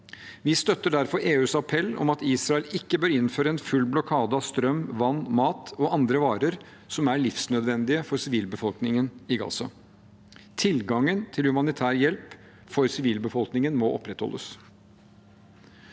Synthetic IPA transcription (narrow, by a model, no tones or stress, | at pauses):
ʋɪst̪œt̪ːəɖæɾfɔɾʔeːʉːsɑpʰɛlːɔ̰mɑt̪iːsɾɑɛlɪkːəbøːɾɪnføːɾəɛnfʉlːblɔkʰɑːd̪əɑst̪ɾœmːʋɑnːmɑːt̪ɔʔɑnd̪ɾəʋɑːɾəɾ | sɔmæɭɪfsnœd̪ʋɛnd̪ɪəfɔɾsɪʋiːlbəfɔlknɪŋənɪɡɑ̰sɑ̰ | t̪ʰɪlɡɑŋənt̪ʰɪlhʉmɑnɪt̪ʰæːɾjɛlp | fɔɾsɪʋiːlbəfɔlˠknɪŋənmɔʔɔ̰pːɾɛt̪hɔ̰lːʔə̰s